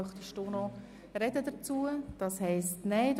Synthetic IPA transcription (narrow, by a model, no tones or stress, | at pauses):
χd̥̪əʃtonɔ | ɾɛdədət͡suəd̥ɑshɛɪstnɛd